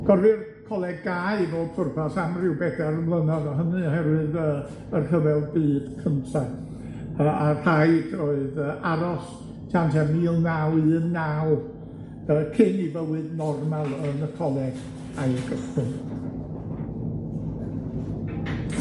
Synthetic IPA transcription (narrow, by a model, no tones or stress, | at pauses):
ɡ̥ɔrvɪr | kʰɔlˠɛɡːaɨnoːtʰʊrpʰasamrɪwbɛθɛɾəmlˠənɔdɔɦənɨhɛrwɨðə | ərrəvɛlˠbɨːd̥kʰəntʰa | əar̥ajd̥oɨðəːʔaɾɔs | tʰansʰɛrniːlˠnawɨːnːaw | əːkʰɪnivəwɨdnɔrmalˠənəkʰɔlˠɛɡ̥ | ajɡəsʊn